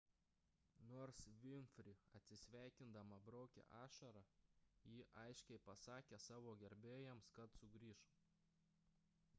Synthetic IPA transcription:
noːɾsʋʲɪmʲfʲɾʲɪɐt̪ʲsʲɪsʲʋʲæˑɪkʲɪnd̪ɐmɐbɾɔʊkʲɛ̰ʔɑːʃɐɾɐjiːʔɐɪʃʲkʲɛɪpɐsɑːkʲeːsɑːʋoːɡʲɛɾʲbʲeːjɛmskɐt̪sʊɡɾʲiːʃ

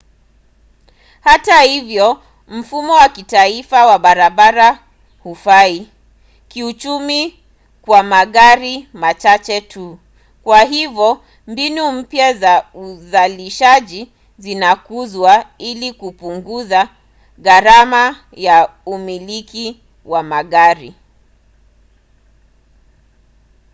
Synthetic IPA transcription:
hatahivjɔ | m̩fumɔwakitaifawaɓaɾaɓaɾa | hufai | kiut͡ʃumi | kwamaɠaɾimat͡ʃat͡ʃɛtʰu | kwaɦivɔ | mbinum̩pjazauzaliʃaʄi | zinakuzwailikupuŋɡuza | ɣaɾama | jaumiliki | wamaɠaɾi

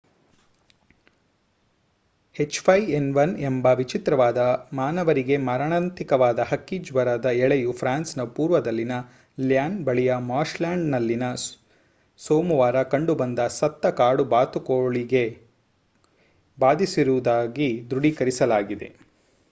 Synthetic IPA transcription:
het͡ʃpʰɐjenʋɐnembɐʋit͡ʃit̪ɾɐʋaːd̪ɐmaːnɐʋɐɾiɡe̞mɐɾɐɳɐnt̪ikɐʋaːd̪ɐɦɐkːid͡ʒʋɐɾɐd̪ɐɛɭejupʰɾaːnsnɐpuːɾʋɐd̪ɐlːinɐ | ljaːnbɐɭijɐmaːɾʃlaːɳɖnɐlːinɐ | soːmuʋaːɾɐkɐɳɖubɐnd̪ɐsɐt̪ːɐkaːɽubaːt̪ukoːɭiɡe̞ | baːd̪isiɾuʋd̪aːɡid̪ɾuɽikɐɾisɐlaːɡid̪e̞̰

